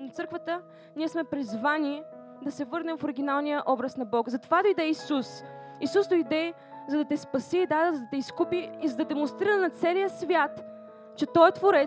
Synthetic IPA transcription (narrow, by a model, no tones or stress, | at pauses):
not̪sɤɾkvət̪ə | niɛsmɛpɾizvanʲi | d̪ɐsɛvɤɾnɛmfoɾiɡ̟inalˠnijəʔɔbɾəsnɐbɔkzɐt̪ovad̪oid̪ɛisusisusd̪oid̪ɛ | zɐd̪ɐt̪ɛspɐsiːd̪ad̪zɐd̪ɐt̪ɛiskupiːzɐd̪ɐd̪ɛmonst̪ɾiɾənɐt̪sɛlijəsvʲjat̪ | t͡ʃɛt̪ɔjt̪voɾɛ